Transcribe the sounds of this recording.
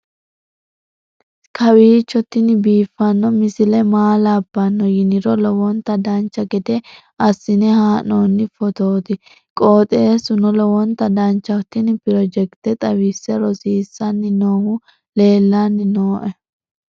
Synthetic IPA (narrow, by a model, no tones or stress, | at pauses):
kʰɐwiːt͡ʃːɔt̪ːɪnɪbiːfːɐnːɔmɪsɪlɛmaːlabːɐnːɔjɪnɪɾɔlɔwɔnt̪ːɐd̪ɐnt͡ʃːɐɡɛd̪ɛ | ɐsːɪnɛhaːnoːnːɪfɔt̪oːt̪ɪ | kʼo̞ːt̪ʼeːsʊnɔlɔwɔnt̪ːɐd̪ɐnt͡ʃːɐt̪ːɪnɪpɪɾɔd͡ʒɛkt̪ɛt̪ʼɐwisːɛɾɔsiːsːɐnːɪnoːhʊ | le̞ːlːanːɪnoːʔɛ